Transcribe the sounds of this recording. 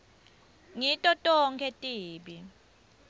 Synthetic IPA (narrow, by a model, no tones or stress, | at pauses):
ŋitʼɔtʼɔŋkʰɛtʼiːɓi